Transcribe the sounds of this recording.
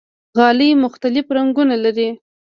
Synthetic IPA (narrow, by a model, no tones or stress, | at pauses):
ɣɑləjmʊxt̪alɪfɾaŋɡunalaɾi